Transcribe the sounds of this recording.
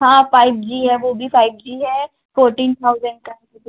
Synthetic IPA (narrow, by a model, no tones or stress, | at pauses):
ɦãːpaːɪbd͡ʒiːɦɛʋobʱipaːɪb̚d͡ʒiːɦɛ | foːɾʈĩːnt̪ʰaʊzə̃ɳɖ̚kãki